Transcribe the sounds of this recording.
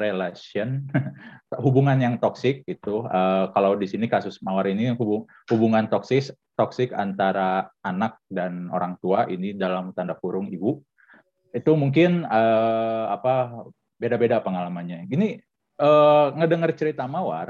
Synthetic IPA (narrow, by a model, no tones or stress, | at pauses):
ɾelasiɔn | ɦubuŋanjaŋt̪ɔksɪk̚it̪uəkalawdisinikasʊsmawaɾinihubu | hubuŋant̪ɔksɪs | t̪ɔksɪka̰nt̪aɾaːnak̚dano̰ɾaŋt̪uaʔinidalamt̪andap̚uɾʊŋibu | it̪umuŋk̬ɪnəapa | bedabedapəŋalamanɲaɡini | əŋədəŋərt͡ʃəɾit̪amawa̰r